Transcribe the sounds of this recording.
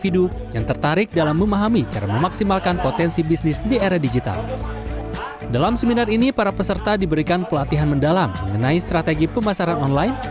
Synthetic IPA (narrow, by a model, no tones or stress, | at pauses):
fidujaŋt̪ərt̪aɾɪk̚dalamːəmaɦamit͡ʃaɾaməmaksimalkanpot̪ɛnsibisnɪsdieɾadid͡ʒit̪a̰l | dalamsəminarinipaɾapəsərt̪adibəɾikanpəlat̪iɦanməndalamːəŋənaist̪ɾat̪eɡipəmasaɾanɔnlajn